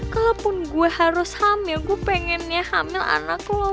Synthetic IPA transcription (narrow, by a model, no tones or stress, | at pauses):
kalopʊnɡuɛhaɾʊshamɪlɡuɛpɛŋɛnjahamɪla̰naklɔ